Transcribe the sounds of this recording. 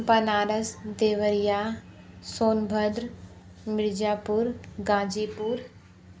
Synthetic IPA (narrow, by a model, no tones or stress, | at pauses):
pənaːɾəsd̪eːʋəɾijaː | soːnbʱəd̪ɾ | mɪɾd͡ʒaːpʊɾɡãːd͡ʒiːpuɾ